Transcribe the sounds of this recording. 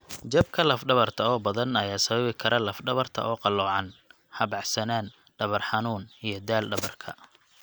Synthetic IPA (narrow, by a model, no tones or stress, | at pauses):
t͡ʃɐb̚kʰɐlɐfɖɐβɐrt̪ʰɐɔːbɐðɐnɐjaːsɐβɐβɪkʰɐɾʔɐlɐfɖɐβɐrt̪ʰɐ̰ʔɔːqɑlːɔːʕɑn | hɐbɑʕsɐnaːn | ɖɐβɐrħɑnuːnijɞd̪aːlɖɐβɐrkʰɐ̰